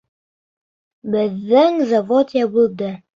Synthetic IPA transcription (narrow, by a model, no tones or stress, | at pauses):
bɘðːɘŋzavot̪jabulˠd̪ɘ